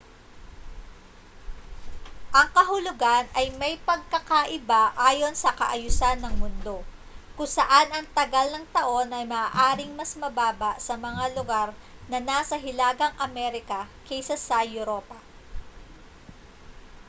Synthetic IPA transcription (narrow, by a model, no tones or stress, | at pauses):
ʔɐŋkɐɦʊlʊɡanɐjmɐjpɐɡ̚kɐkaʔɪbaʔaːjo̞nsɐkɐʔɐjʊsanːɐŋmʊnd̪o̞ | kʊŋsɐʔanɐŋt̪ɐɡalnɐŋt̪ɐʔo̞nʔɐjmaːʔaːɾɪŋmɐsmɐbaːbɐʔsɐmɐŋalʊɡaɾnɐnasɐɦɪlaːɡɐŋʔɐmɛɾɪkɐkɛjsɐsɐjʊɾo̞ːpɐ